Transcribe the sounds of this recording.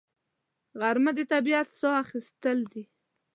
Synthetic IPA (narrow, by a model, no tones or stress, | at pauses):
ɣaɾməd̪et̪abiat̪soaxist̪əld̪i